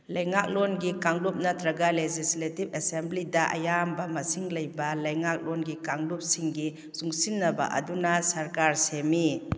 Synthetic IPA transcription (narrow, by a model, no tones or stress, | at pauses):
lɐjŋak̚lonɡikaŋlup̚nɐtɾɐɡalezisletibesemblidɐʔa̰jambɐmɐsiŋlɐjbɐlɐjŋak̚lonɡikaŋlup̚siŋɡi | zuŋsinːɐba̰ʔɐ̰dunɐsɐɾkaɾsemi